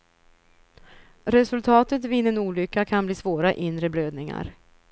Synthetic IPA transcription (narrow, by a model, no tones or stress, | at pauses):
ɾɛsɵlt̪ʰɑːt̪ət̪viːnːənuːlʏkːakʰanbliːsvoːɾaʔɪnd̪ɾəbløːd̪̚nɪŋa̰ɾ